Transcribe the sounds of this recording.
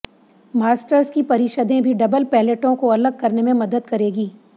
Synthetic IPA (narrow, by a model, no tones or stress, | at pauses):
maːsʈəɾskipɐɾɪʃəd̪ẽbʱiɖɐbəlpɛːleʈõkoɐləɡ̚kɐɾnemẽmɐd̪əd̪̚kɐɾeːɡiː